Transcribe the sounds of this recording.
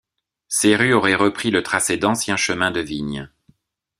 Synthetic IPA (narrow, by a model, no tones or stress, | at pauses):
seʁyɔʁɛʁəpχilət̪χasɛd̪ɑ̃sjɛ̃ʃəmɛ̃d̪əviɲ